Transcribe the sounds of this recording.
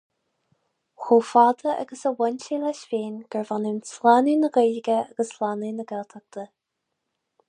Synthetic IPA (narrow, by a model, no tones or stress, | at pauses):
xuːfɑːd̪əʔa̰ɡəsəwɛnt͡ʃilɛʃviːnɡ̥əɹvanɪmslanunəɡeːlɪɡəaɡəslanuːnəɡɛlt̪ʰak̚t̪ʰə